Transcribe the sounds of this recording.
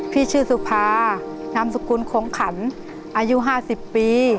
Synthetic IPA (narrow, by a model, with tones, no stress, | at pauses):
pʰiː˥˩t͡ɕʰɯː˥˩su˧˩pʰaː˧ | na˧˥msu˨˧ku˧˥nkʰoː˩˦ŋkʰa˩˦n | ʔaː˧ju˧˥ɦaː˥˩si˨˩pːiː˧